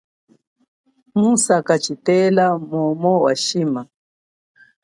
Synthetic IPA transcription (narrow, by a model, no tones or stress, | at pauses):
musakat͡ʃitɛlamɔmɔwa̰ʃima